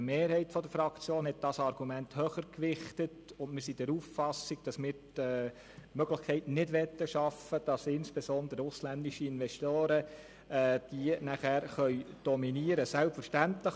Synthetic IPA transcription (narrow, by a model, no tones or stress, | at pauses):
meːɾhɛɪtfɔdəɾfɾɑkt͡sjoːnɦɛt̚d̥ɑsɑrɡ̥umænthœχəɾkʋɪχtətʊndmɪɾsid̥ɛɾuːffɑsiɡ̥̚d̥ɑsmɪːɾ | ɛː | mœɡ̥ləχkʰɛɪtnɪdʋɛt̪ːəʃɑfəd̥ɑsɪnspesɔnd̪əɾəʊslændiʃəɪnʋɛstoːɾə | ɛd̥iənæχæːɾχœʏd̥ɔminiəɾəsælpfəɾʃtæntləχ